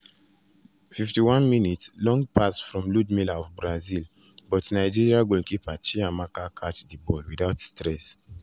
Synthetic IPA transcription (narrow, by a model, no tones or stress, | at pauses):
fiftiwãnminitslɔ̃ŋɡpasfɹɔ̃mludmilaɔfbɹazil | bɔtnaɪd͡ʒiɹiaɡõkipat͡ʃiamakakʰat͡ʃdibɔlwidaʊtstɹɛs